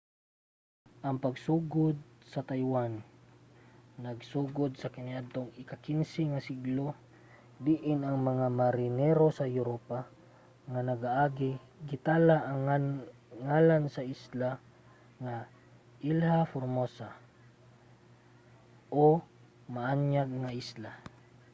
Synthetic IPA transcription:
ʔɐŋpɐɡsuːɡʊd̪̚sɐt̪ajwan | ɐɡsuːɡʊd̪̚sɐkɪniʔad̪̚t̪oŋɪkakinsɛŋasiɡlo | d̪iʔɪnɐŋmɐŋamaɾɪnɛɾosɐjʊɾopa | ŋanɐɡaʔaːɡɪ | ɡɪt̪aːlaʔŋ | ŋalansɐʔisla | ŋa | ʔɪlhafʊɾmosa | ʔo | maʔaɲaɡ̚ŋaʔisla

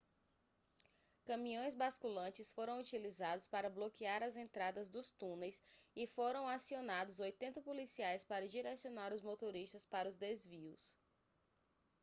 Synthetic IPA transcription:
kɐ̃mĩõj̃zbaskulɐ̃t͡ʃɪsfoɾɐ̃w̃ut͡ʃilizad̪ʊspaɾɐblokiaɾɐzẽnt̪ɾad̪ɐzd̪ʊst̪ũnejsɪfoɾɐ̃w̃asionad̪ʊzojt̪ẽnt̪ɐpolisiajspaɾɐd͡ʒiɾɛsionaɾʊzmot̪oɾiʃt̪ɐspaɾɐʊzd̪ezviʊs

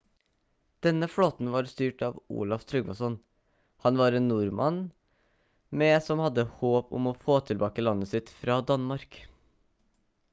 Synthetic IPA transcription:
d̪̥ɛnəfɽoːt̪n̩ʋɑːɾst̪yːʈɑːʋṵːlɑft̪ʰɾʉɡmɑsɔn | hɑnʋɑːɾeːnnuːɾmʔɑ̰n | mɛsɔmhɑd̪ːəhoːpʊ̰moːfoːt̪ʰɪlbɑːkəlɑnːəsɪt̪fɾɑːd̪ɑnmɑɾk

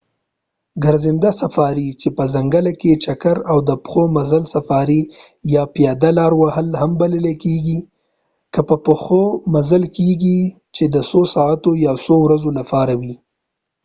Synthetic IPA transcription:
ɡaɾzɪnd̪asafɑɾit͡ʃepəzaŋɡalaket͡ʃakaɾawd̪əpxomazalsafɑɾi | jɑpjɑd̪alɑɾwahəlhambaləlekeɡi | kəpəpəxomazəlkeɡi | t͡ʃed̪əsosɑat̪ojɑsowɾazolapɑɾawi

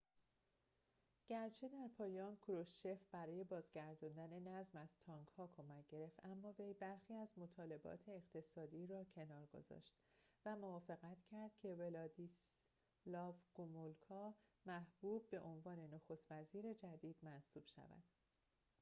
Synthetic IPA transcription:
ɟ̥æɾt͡ʃʰed̪æɾpʰɒːjɒːnkʰɾoʃe̞fbæɾɒːje̞bɒːzɟæɾd̪ɔnd̪æne̞næzmæz̥t̪ʰɒːŋɡhɒːkʰomæc̚ʰɟ̥e̞ɾe̞ft̪æmːɒːve̞jbæɾxiːæzmo̞t̪ʰɒːle̞bɒ̰ːt̪ʰe̞ːʁt̪ʰe̞sɒːd̪iːɾɒːcʰe̞nɒːɾɡo̰zɒ̰ːʃt̪væmovɒːfe̞ɣæt̪ʰcʰæɾd̪̥cʰe̞velɒd̪is | lɒːvɡ̥omolkʰɒmæhb̥uːb̚ːe̞ʔo̞nvɒːne̞noxo̞st̪væziːɾe̞d͡ʒæd̪iːd̪̥mænsuːb̥ʃæ̰væ̰d̪̥

